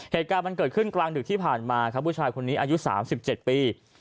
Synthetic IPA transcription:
heː˨˩t̪̚kaː˧nma˧nkɤː˨˩t̪̚ʰɯ˥˩nklaː˧ŋdɯ˨˩k̚t̪ʰiː˥˩pʰaː˨˩nmaː˧kʰa˧˥mpʰu˧˥˩t͡ɕʰaː˧jkʰo˧nːiː˦˥ʔaː˧ju˦˥sa̰ː˩˦msi˨˩p̚t͡ɕe˨˩t̪̚piː˧

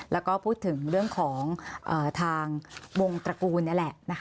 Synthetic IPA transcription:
lɛː˦˥wkɔː˥˩pʰuː˥˩t̪ʰːɯ˩˦ŋɾɯ˥˩əŋkʰɔː˩˦ŋʔɤː˨˩t̪ʰaː˧ŋwo˧ŋt̪ɾa˧kuː˧nːa˥˩˨lɛ˨˩ʔna˦˥kʰ

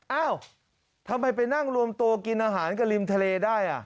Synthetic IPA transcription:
ʔaː˥˩w | t̪ʰa˧mːa˧jpa˧jna˥˩ŋɾu˧əmt̪u˧ki˧nʔaː˧ɦaː˩˦nka˧˩li˧mt̪ʰa˧leː˧daː˥˩jʔa̰˨˩ʔ

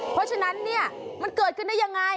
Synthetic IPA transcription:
pʰɾɔ˦˥t͡ɕʰa˧na˦˥nːi˥˩ɐma˧nkɤː˨˩t̪̚kɯ˧˨nda˥˩ja˧ŋːa˧j

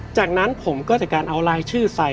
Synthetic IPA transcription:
t͡ɕaː˨˩k̚na˦˥npʰo˩˦mkɔː˥˩t͡ɕa˨˩kaː˧nʔa˧wlaː˧jt͡ɕʰɯː˥˩sa˧˩

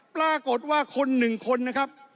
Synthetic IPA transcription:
plaː˥˩ko˨˩t̪̚waː˥˩kʰo˧nːɯ˨˩ŋkʰo˧nːa˦˥kʰa˦˥p̚

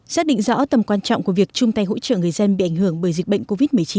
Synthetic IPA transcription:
saː˦˥k̚ɗḭ˧˨ŋ̟zɔ̰˧˥t̪ə˨˩mkwaː˧nt͡ɕɔ̰˧˨ŋ͡mku˧˩vi˨˩ək̚t͡ɕʊ˧ŋ͡mt̪a˧jɦo̰˧˥t͡ɕə̰ː˧˨ŋɨ˨˩əjzə˧nɓḭ˧˨ʔa˧˩jŋ̟hɨ˧˩əŋɓəː˨˩jzï˨˩k̚ɓə̰˧˨ŋ̟ko˧vi˦˥t̚mɨ˨˩əjt͡ɕi˨˦n

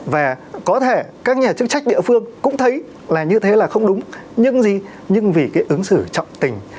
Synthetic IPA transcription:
vaː˨˩kɔ˨˦t̪ʰe˧˩kaː˦˥k̚ɲaː˨˩t͡ɕɨ˦˥k̚t͡ɕa˦˥jk̟̚ɗḭ˧˨fɨ˧əŋkʊ̰˧˥ŋ͡mt̪ʰə˨˦j | laː˨˩ɲɨ˧t̪ʰe˨˦laː˨˩xə˧wŋ͡mɗʊ˨˦ŋ͡mɲɨ˧ŋzi˨˩ | ɲɨ˧ŋvi˨˩kaː˨˦jʔɨ˨˦ŋsɨ˧˩t͡ɕɔ̰˧˨wŋ͡mt̪ï˨˩ŋ̟

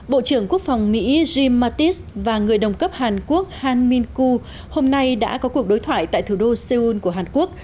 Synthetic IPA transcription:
ɓo̰˧˨t͡ɕɨ˧˩əŋku˦˥ək̚fa˨˩wŋ͡mmḭ˧˥zi˧mːaː˧t̪i˦˥s | vaː˨˩ŋɨ˨˩əjɗə˨˩wŋ͡mkə˦˥p̚haː˨˩nku˦˥ək̚haː˧nmi˧nku˧ | ho˧mna˧jɗa̰ː˧˥kɔ˨˦ku˨˩ək̚ɗo˨˦jt̪ʰwa̰ː˧˨jt̪a̰ː˧˨jt̪ʰu˧˩ɗo˧se˧u˧nku˧˩əɦaː˨˩nku˦˥ək̚

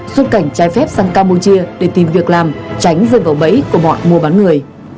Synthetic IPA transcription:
swə˧t̚ka˧˩jŋ̟t͡ɕaː˨˦jfɛ˦˥p̚saː˧ŋkaː˧mɓo˧t͡ɕi˧əɗe˧˩t̪i˨˩mvi˨˩ək̚laː˨˩mt͡ɕa˨˦jŋ̟zəː˧vəː˧˩wɓə̰˧˥jku˧˩əmɔ̰˧˨jmu˧əɓaː˨˦nŋɨ˨˩əj

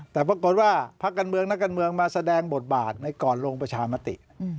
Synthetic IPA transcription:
t̪ɛː˨˩pɾa˧ko˨˩t̪̚waː˥˩pʰa˦˥kːaː˧nmɯ˧əŋna˦˥kːaː˧nmɯ˧əŋmaː˧sa˧dɛː˧ŋbo˨˩t̪̚baː˨˩t̪̚na˧jkɔː˨˩nɾoː˧ŋpɾa˧t͡ɕʰaː˧ma˦˥t̪ḭ˨˩ʔ

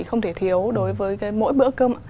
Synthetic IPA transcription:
ḭ˧˩xə˧wŋ͡mt̪ʰe˧˩t̪ʰi˨˦əwɗo˨˦jvəː˨˦jkaː˨˦jmo̰˧˥jɓɨ̰˧˥əkəː˧m˩

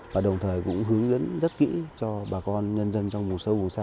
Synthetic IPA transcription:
vaː˨˩ɗə˨˩wŋ͡mt̪ʰəː˨˩jkʊ̰˧˥ŋ͡mɦɨ˨˦əŋzə̰˧˥nzə˦˥t̚kḭ˧˥t͡ɕɔ˧ɓaː˨˩kɔ˧nɲə˧nzə˧nt͡ɕɔ˧wŋ͡mmʊ˨˩t̚sə˨˦vʊ˨˩ŋsaː˧

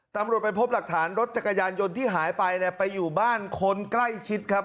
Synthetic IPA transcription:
t̪a˧mɾu˨˩ət̪̚pa˧jpʰo˦˥p̚la˨˩k̚t̪ʰaː˩˦nɾo˦t̪̚t͡ɕa˨˩kːa˧jaː˧njo˧nt̪ʰiː˥˩ɦaː˩˦jpa˧jni˥˩pa˧jːuː˨˩baː˥˩nkʰo˧nkla˥˩jt͡ɕʰi˦˥t̪̚kʰa˦˥p̚

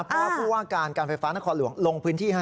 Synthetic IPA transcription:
pʰɔ˧˦waː˥˩puː˥˩waː˥˩kaː˧nkaː˧nfa˧jfaː˦˥na˦˥kʰɔː˧nlu˩˦əŋlo˧ŋpʰɯː˦˥nt̪ʰiː˥˩ɦa˥˩

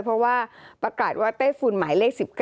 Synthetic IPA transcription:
jpʰɾɔ˦˥waː˥˩pɾa˧kaː˨˩t̪̚waː˥˩t̪aː˥˩jfuː˧˩nmaː˩˦jleː˥˩k̚si˨˩p̚k

